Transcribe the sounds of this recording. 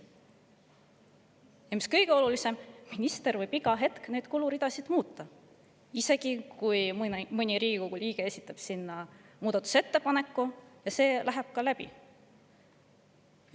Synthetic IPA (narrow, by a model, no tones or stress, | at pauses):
emskɤ̞jɡ̥e̞o̞lulise̞mːinist̪e̞ɾvɤjbiɡɑɦe̞t̪kne̞d̪̥kuluɾid̪̥ɑsid̪̥muːt̪ːˑɑ | ise̞ɡ̥ikuj̪mɤnʲiɾiːɡ̥ikoɡ̥uliːɡ̥e̞e̞sʲit̪ːˑɑb̥sinːɑmuːd̪̥ɑt̪ːˑu̥se̞t̪ːe̞pɑne̞kːˑujɑse̞ːlʔæɦeb̥̚kɑlæb̥ḭ